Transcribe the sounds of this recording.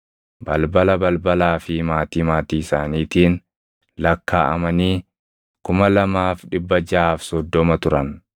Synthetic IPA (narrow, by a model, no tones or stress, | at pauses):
bɐlbɐlɐbɐlbɐlaːfɪmaːt̪iːmaːt̪iːɪsaːniːt̪iːn | lɐkːa̰ːʔɐ̰mɐniː | kʊmɐlɐmaːfᶑɪbːɐd͡ʒaːfsɔd̪ːɔmɐt̪ʊɾɐn